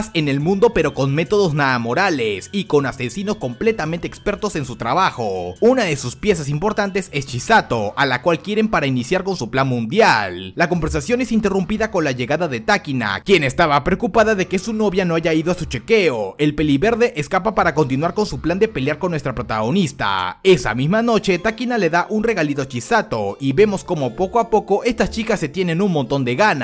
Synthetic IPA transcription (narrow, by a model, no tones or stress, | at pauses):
se̞ne̞lmũnd̪o̞pe̞ɾo̞ko̞nme̞t̪o̞ðo̞znaðamo̞ɾale̞siko̞nase̞sino̞sko̞mple̞t̪ament̪ekspe̞ɾt̪o̞se̞nsut̪ɾaβaxo̞unaðe̞suspje̞sasimpo̞ɾt̪ant̪e̞se̞st͡ʃisat̪o̞alakwalkje̞ɾe̞mpaɾainisjaɾko̞nsuplanmũnd̪jallako̞mbe̞ɾs̬asjo̞ne̞sint̪e̞rumpiðako̞nlaʝe̞ɣaðaðe̞t̪akina̰kje̞ne̞st̪aβapɾeokupaðaðe̞ke̞suno̞βjano̞aʝaiðo̞asut͡ʃe̞ke̞oe̞lpe̞liβe̞ɾðe̞ʔeskapapaɾako̞nt̪̬inwaɾko̞nsupland̪e̞pe̞ljaɾkonːwest̪ɾapɾo̞t̪aɣ̞o̞nist̪a̰e̞sa̰mizmano̞t͡ʃe̞t̪akinale̞ðaʔunre̞ɣalit̪o̞t͡ʃisat̪o̞̰iβe̞mo̞sko̞mo̞po̞koapo̞ko̞ʔe̞st̪ast͡ʃikasːe̞t̪je̞nẽ̞nunmo̞nt̪o̞nd̪e̞ɣana